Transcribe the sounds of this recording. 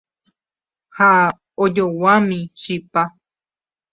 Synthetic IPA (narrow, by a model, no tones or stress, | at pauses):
ha | od͡ʒowãmĩʃipa